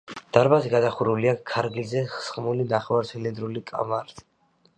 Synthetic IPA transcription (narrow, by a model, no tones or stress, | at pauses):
d̪̥aɾbazɛɡad̪aχuɾuliakʰaɾɡlzɛχsχmulinaχɛvaɾtsʰɛlɛnd̪ɾulikʼa̰maɾt̪ʰi̥